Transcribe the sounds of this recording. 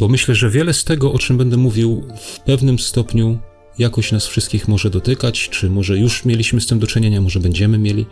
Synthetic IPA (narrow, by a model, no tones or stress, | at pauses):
b̥ɔmɘɕlɛʐɛvʲjɛlɛst̪ɛɡɔʔɔt͡ʂɘmbɛnd̪ɛmuvʲiwfpɛvnɘmst̪ɔpɲu | jakɔɕnasfʂɨst̪̚kʲixmɔʐɛd̪ɔt̪ɘkat͡ɕt͡ʂɘmɔʐɛjuʂmʲjelʲiɕmɘst̪ɘmd̪ɔt͡ʂɘɲeɲamɔʐɛbɛɲd͡ʑɛmɘmʲjelʲi